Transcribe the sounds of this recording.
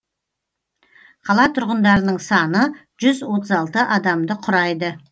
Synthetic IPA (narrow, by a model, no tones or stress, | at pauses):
qʰɑlˠɑt̪ʰʊɾʁənd̪ɑɾənəɴsɑnə | ʒ̥ʏzwo̞t̪əzɑlˠt̪əʔɑd̪ɑmd̪əqʰʊɾɑjd̪ə